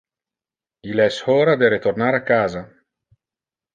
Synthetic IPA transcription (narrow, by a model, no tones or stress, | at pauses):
ilɛshɔːɾad̪eɾet̪ornaːɾakːaːza